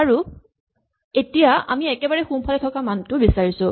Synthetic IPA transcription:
aɹu | etijaa̰miɛkɛbaɹɛxumpʰalɛtʰɔkamantʊbisaɹisʊ

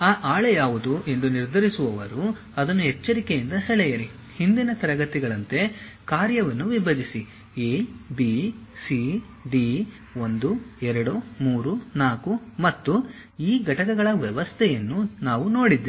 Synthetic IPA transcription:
aːʔaːɭejaːʋud̪uʔe̞nd̪uniɾd̪ʱɐɾisuʋɐʋɐɾu | ɐd̪ɐnːuɦɛt͡ʃːɐɾikejind̪ɐɦeɭɛjɐɾi | hind̪inɐt̪ɐɾɐɡɐt̪iɡɐɭɐnt̪e̞ | kaːɾjɐʋɐnːuʋibʱɐd͡ʒ̪isi | eːbisi | bi | o̞nd̪uɛɾɐɽumuːɾunaːkumɐt̪ːu | iːɡɐʈɐkɐɡɐɭɐʋɛʋɐst̪ʰɛjɐnːunaːʋuno̞ːɽid̪ːi

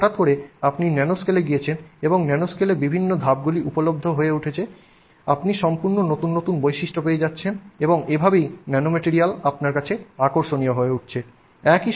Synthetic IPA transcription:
ʈat̪̚koɾeapninɛnoskeleɡijet͡ɕʰeneboŋnɛnoskelebibʱinːod̪ʱab̚ɡuliʔupolob̚d̪ʱoɦoeuʈʰet͡ɕʰe | apniʃɔmpuɾnonot̪unːot̪unbojʃiʃʈopeed͡ʑatːɕʰeneboŋebʱabejnɛnomeʈiɾialapnaɾkat͡ɕʰeakoɾʃonijoɦoeuʈ̚t͡ɕʰe | ɛki

